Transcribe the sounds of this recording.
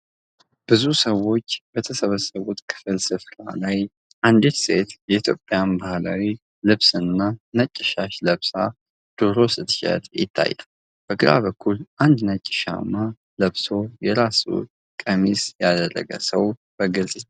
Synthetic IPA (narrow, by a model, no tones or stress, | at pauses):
b̥ɨzusəwːo̞t͡ʃːbət̪ʰəsəβəsːəβut̪kʰɨ̥fɨlsɨfɾa̰laj | ʔand̪et̪se̞t̪jɛit̪ʰjo̞pʼːjanbahla̰wi | lɨβsɨnːanət͡ʃʼːɪʃaʃləβsa | d̪̥oɾo̞sɨt̪ʃɛ̰t̪jɪ̰t̪ʰːa̰jːə̰l | b̥əɡɨɾa̰βəkʰːulʔand̪nət͡ʃʼːɪ̥ʃa̰mːa | ləβso̞jɛɾasṵ | kʼəmisjad̪ərːə̰ɡə̰səwb̥əɡɨzʼ